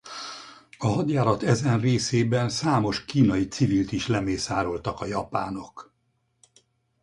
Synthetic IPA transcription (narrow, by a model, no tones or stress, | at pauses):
ɒɦɒd̪jaːlɒt̪ɛzɛnreːseːbɛnsaːmo̞ʃkiːnɒjit̪sivilt̪iʃlɛmeːsaːɾo̞lt̪ɒkɒjɒpaːno̞k